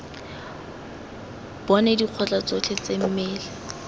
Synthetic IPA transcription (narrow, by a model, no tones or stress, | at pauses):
b̥ɔnɛdiq͡χʰɔt͡ɬʼat͡sɔt͡ɬʰet͡sem̩mɛːlɛ